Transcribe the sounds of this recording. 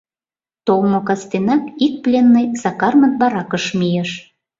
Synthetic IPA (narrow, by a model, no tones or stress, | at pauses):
t̪olmokɑst̪enɑkik̚plʲenːəjzɑkɑrmət̪̚bɑɾɑkəʃmijeʃ